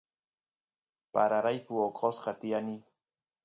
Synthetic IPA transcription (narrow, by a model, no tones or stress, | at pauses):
paɾaɾajkʊoqʰʼosqɑt̪ɪjani